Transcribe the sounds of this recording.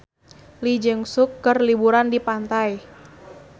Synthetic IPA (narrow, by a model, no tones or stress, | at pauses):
lid͡ʒəŋsʊkːərlibuɾandipant̪aj